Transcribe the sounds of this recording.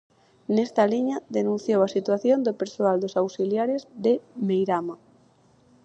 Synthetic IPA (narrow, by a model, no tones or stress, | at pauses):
nɛst̪aliɲaðenũnθjowasit̪waθjond̪opeɾsoald̪osawsiljaɾɪzðɪmejɾama